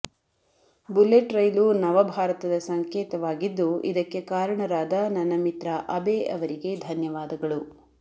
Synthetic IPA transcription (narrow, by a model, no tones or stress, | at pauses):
buleʈɾɐjlunɐʋɐbʱaːɾɐt̪ɐd̪ɐsɐŋkeːt̪ɐʋaːɡid̪ːuḭd̪ɐkːe̞kaːɾɐɳɐɾaːd̪ɐnɐnɐmit̪ɾɐʔɐbeɐʋɐɾiɡed̪ʱɐnjɐʋaːd̪ɐɡɐɭu